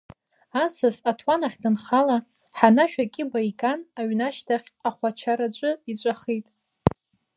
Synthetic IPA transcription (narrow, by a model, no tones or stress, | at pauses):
asasatʰwanaχʲdɨnχala | ħanaʃᶣakʲʼɪbajkʼanaɥnaʃtʰaχʲaχʷat͡ʃʰaɾat͡ʃʷʼɨit͡ʃʷʼaχijtʼ